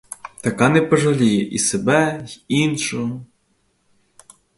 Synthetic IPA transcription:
t̪ɐkɑnɛpɔʒɐlʲijɛʔisebɛinʃʊɦɔ

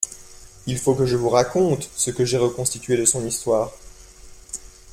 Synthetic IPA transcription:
ilfokəʒəvuʁakɔ̃t̪səkəʒɛʁəkɔ̃st̪it̪ɥed̪əsɔ̃nist̪waːʁ

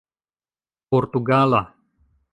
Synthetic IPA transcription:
pɔrt̪uɡala

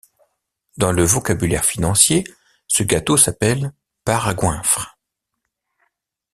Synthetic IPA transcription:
d̪ɑ̃ləvɔkabylɛʁfinɑ̃sje | səɡat̪osapɛl | paʁaɡwɛ̃fχ

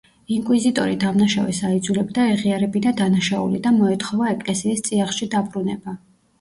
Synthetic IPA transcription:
iŋkʼwizit̪ʼɔɾid̪amnaʃavɛsaid̪zulɛbd̪aɛʁiaɾɛbid̪ad̪anaʃaṵlḭd̪amɔɛt̪ʰχɔvaɛkʼlɛsiːst̪sʼiaχʃid̪abɾunɛba

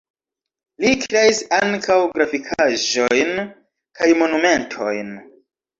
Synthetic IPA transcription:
likɾe̞isaŋkawɡɾafikʰaʒo̞jn | kajmo̞nume̞ntʰo̞̰jn

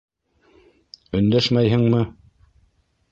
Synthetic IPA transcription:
ɵ̆nd̪æʃmæjɦɘŋmɤ

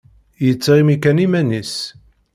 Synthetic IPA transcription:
jət͡sːʁimikænimænis

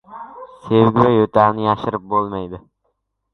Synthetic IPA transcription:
sewɡʲɪwɛjɵt̪aɾnɪjaʃɪɾɪp̚bolˠmajd̪ɪ

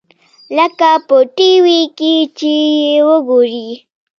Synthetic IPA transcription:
ləkapəʈiwikit͡ʃejewəɡoɾi

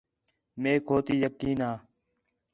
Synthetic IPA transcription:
meːkʰoːt̪iːjəkːiːnaː

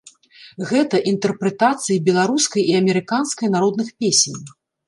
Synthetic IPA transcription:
ɣɛt̪ɐʔint̪ɛrpɾɛt̪at̪sɨjibʲɛlˠaɾuskɐjiɐmʲɛɾɨkanskɐjnaɾɔd̪nɨxpʲesʲnʲ

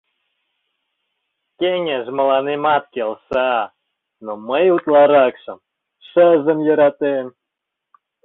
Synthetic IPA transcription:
kʲeŋʲeʒmə̆lɑnemɑt̪kʲelsɑ | noməjut̪lˠɑɾɑkʃə̆m | ʃəzə̆mjə̆ɾɑt̪em

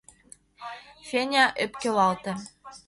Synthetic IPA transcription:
fʲenʲɑʔøpkelɑlt̪ɤ̆

